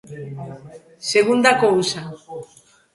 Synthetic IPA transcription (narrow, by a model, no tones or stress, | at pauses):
se̞ɣund̪akousa